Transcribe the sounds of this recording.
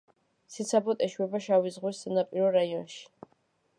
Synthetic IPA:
sit̪sʰabɔt̪ʼɛʃwɛbaʃawizʁwɛsanapʼiɾɔɾajɔnʃi̥

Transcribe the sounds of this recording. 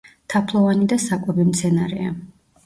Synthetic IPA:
t̪ʰapʰlˠɔvanid̪asakʼwɛbimt̪sʰɛnaɾɛa

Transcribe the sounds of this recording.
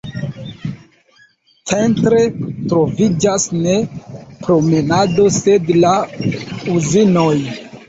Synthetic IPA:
t͡sentɾe̞tɾo̞vid͡ʒasne̞pɾo̞me̞nado̞se̞dla | uzino̞j

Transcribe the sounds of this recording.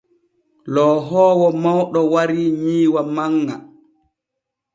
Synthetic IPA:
lɔɦɔːwɔmawɗɔwaɾiːɲiːwamaŋːa

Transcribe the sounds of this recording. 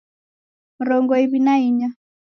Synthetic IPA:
mɾɔŋɡɔiβinaiɲa

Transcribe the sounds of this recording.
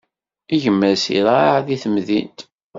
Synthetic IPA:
iʝəmːəɾsḭɾaʕðiθəmðḭnt̪

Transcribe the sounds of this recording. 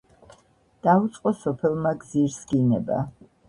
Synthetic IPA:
d̪̥ait̪sʼqʼɔsɔpʰɛlˠmaɡziɾsɡinɛba̰

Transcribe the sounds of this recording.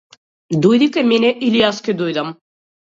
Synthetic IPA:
d̪ojd̪ikemeneʔilijaskʲed̪ojd̪ɐm

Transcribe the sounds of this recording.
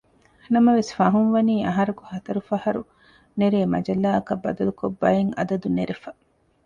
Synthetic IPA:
nɐmɐʋesfɐɦunʋɐniːɐɦɐɾukuhɐt̪ɐɾufɐhɐɾu | neɾeːmɐ̰d͡ʒɐlːaːɐkɐbːɐ̰d̪ɐlukobːɐjeŋɐ̰d̪ɐd̪uneɾefɐ

